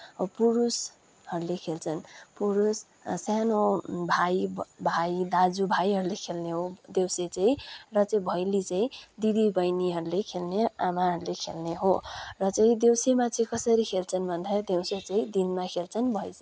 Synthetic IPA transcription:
puɾus | hʌɾulekʰelt͡sʰʌnpuɾus | sjanobʱajbʱajd̪ad͡zubʱajɦʌɾulekʰelneɦod̪ewset͡sʌĩrʌt͡sʌĩbʱʌjlit͡sʌ̃ĩd̪id̪ibʌjniɦʌɾulekʰelneamaɦʌɾulekʰelneɦorʌt͡sʌĩd̪ewsemat͡sʌĩkʌsʌɾikʰelt͡sʰʌnbʱʌnd̪ad̪ewset͡sʌĩd̪inmakʰelt͡sʰʌnbʱʌjt͡s

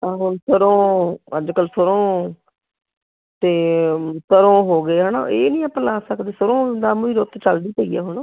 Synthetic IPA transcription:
aːɦʊnsəɾõːəd͡ʒkəlsʊɾõː | t̪eːsəɾõːɦoːɡeːɦaːna̰ʔeːnĩːəpːəlaːsəkd̪eːsəɾõːd̪aːmiːɾot̪t͡ʃəld̪iːpəiːa̰ːɦʊn

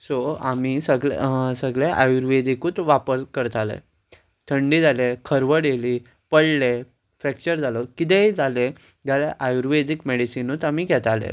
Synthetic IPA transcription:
soamisəɡɭ̰səɡɭeʔajuɾʋed̪ikuːt̪ʋapəɾkəɾət̪alḛ | t̪ʰəɳɖid͡zalekʰəɾʋəɽeliː | pəɽle | fɾɛk̚t͡ɕəɾd͡zalɔkit̪̬eid͡zale | ɡaleʔajuɾʋed̪ikmeɽisinut̪amiːɡʱɛt̪alḛ

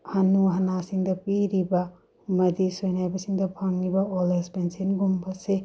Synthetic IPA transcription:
hɐnuɦɐnasiŋd̪ɐpiɾibɐ | mɐd̪isojnajbɐsiŋd̪ɐpʰaŋnibɐolespensinɡumbɐse

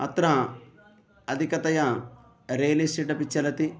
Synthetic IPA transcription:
ɐ̰t̪ɾɐ | ɐd̪ʱikɐt̪ɐjɐ | ɾeːlisʈiʈɐpit͡ʃːɐlɐt̪i

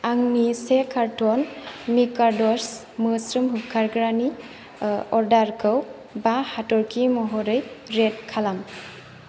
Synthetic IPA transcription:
aŋnisekʰaɾtɔnmikaɾdɔɾs | mɯsɾɯmɦɯp̚kʰaɾɡɾani | ɔɾdaɾkʰɯw | bahatɔɾkʰimɔɦɔɾɯjɾetkʰalam

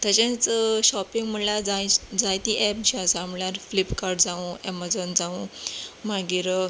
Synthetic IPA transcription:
t̪jat͡ɕãt͡sɕɔpiŋɡm̤əɳlad͡zad͡zãjt̪iʔɛp̚d͡ʑiasaamljaɾflipkaɾɖd͡zaũɛmad͡zɔnd͡zaũmaɡiːɾ

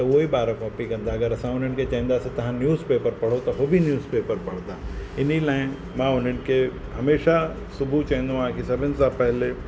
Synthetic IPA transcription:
t̪ɐʊɦoibaːɾãkɔːpikɐ̃nd̪aːɐɡəɾɐsãʊn̤ənɪ̆kʰet͡ɕɐ̃ɦĩːn̆d̪aːsit̪ɐɦãnjuːzpeːpəɾpɐɽ̤ot̪ɐɦoːbʱinjuːzpeːpəɾpɐɽ̤d̪aːɪnilaːɪ̃ | mãːʊn̤ənɪ̆kʰeɦɐmeːʃa | sʊbʱut͡ɕɐɦnd̪õʋãkʰesɐbʱɪnɪ̆sãpɛɦɪle

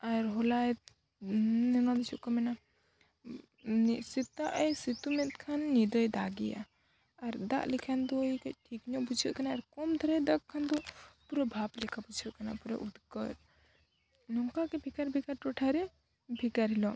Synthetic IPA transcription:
aɾɦɔla | nɛnɔd̪ɛt͡ʃʰuʔkɔmɛna | nisit̪aʔjsit̪umɛt̪̚kʰanːid̪ɔjd̪aɡija̰ː | ɾd̪a̰ʔlikʰand̪ɔkɛʈʰikɲɔʔpud͡ʒʰɔʔkanaːɾkɔmt̪ʰaɾɛd̪ak̚kʰːand̪ɔpuɾɔbʱablɛkʰapud͡ʒʰɔʔkana̰puɾɔ̰ʔud̪kɔ̰ɾ | nɔŋkakɛbʱikaɾbʱikaɾʈɔʈʰaɾɛ | bʱikaɾɦilɔ

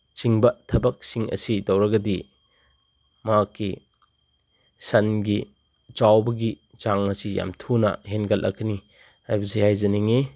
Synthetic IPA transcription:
t͡ʃiŋbɐtʰɐbɐk̚siŋɐ̰sidɐwɾɐɡɐdi | makːi | sɐnɡi | t͡ʃawbɐɡi | t͡ʃaŋɐsija̰mtʰunɐ̰ɦenɡɐlʔɐ̰kʰːɐni | ajbɐzehajzɐniŋi

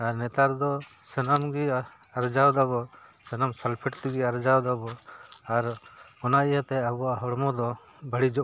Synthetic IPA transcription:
aɾnɛt̪aɾd̪ɔ | sənamɡi | aɾd͡ʒawd̪abɔsənamsalpʰɛʈt̪iɡiaɾd͡ʒawd̪abɔaɾɔnaijat̪ɛabɔaɦɔɽmɔd̪ɔbəɽid͡ʒɔʔ

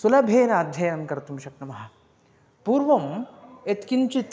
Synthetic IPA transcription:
sulɐbʱeːnaːd̪ʱjɐjɐnkɐɾt̪umʃɐknɐmɐɦɐ̆ | puːɾʋɐmet̪kint͡ʃit̪

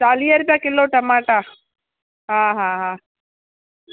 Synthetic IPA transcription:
t͡ʃaːlijɐɾbaːkilːoːʈɐmaːʈa | ɦãːɦaːɦaː

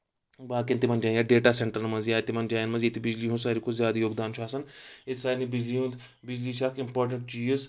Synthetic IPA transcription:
baːkẽnt̪imɐnd͡ʒaːjaɖeːʈaːseɳʈəɾnmɐzijaːt̪imɐnd͡ʒaːjnmɐzit̪ibɪd͡ʒliːɦũsaːɾikozʲjaːd̪ajoːɡd̪aːnʃʰaːsɐnɪt̪saːnibɪd͡ʒliːũnd̪ | bɪd͡ʒliːʃɐkɪmpoːɾʈ̬əɳʈ̚d͡ʒiːz

